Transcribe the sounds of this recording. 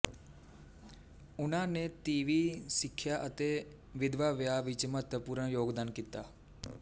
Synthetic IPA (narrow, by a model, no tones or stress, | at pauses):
ʊnãːneːt̪iːʋiːsɪkʰːjaːʔət̪eː | ʋɪd̪ʋaːʋɪjaːʋɪt͡ʃmət̪əpuːɾəɳjoːɡd̪aːnkiːt̪aː